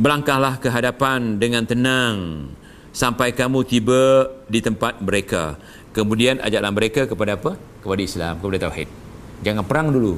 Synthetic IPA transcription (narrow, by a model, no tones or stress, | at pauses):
bəlaŋkahlahkəɦadapandəŋãnt̪ənaŋ | sampajkamut̪ibadit̪əmpat̪̚məɾeka̰ | kəmũdianʔa̰d͡ʒaʔlahməɾekakəpadaːpə | kəpadaisla̰mkəpadat̪awhḭt̪̚ | d͡ʒaŋanpəɾaŋdulu